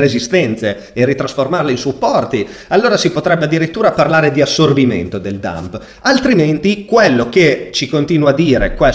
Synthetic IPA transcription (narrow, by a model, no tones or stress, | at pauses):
ɾezist̪ɛnt̪seː | rit̪ɾasformarleinsupːɔrt̪ialːoːɾasipot̪ɾɛbːead̪ːiɾit̪ːuːɾaparlaːɾed̪iasːorbimḛnt̪od̪eld̪a̰mp | alt̪ɾiment̪ikwelːok̟et͡ʃikont̪iːnwad̪ːiːɾekwe